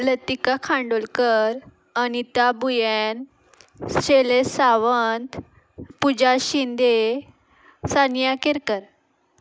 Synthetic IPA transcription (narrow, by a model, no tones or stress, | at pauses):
lət̪ikakʰãɳɖolkəɾ | anit̪abujɛn | sʂelesaʋənt̪ | pud͡ʑaɕind̪e | sanjakeɾkəɾ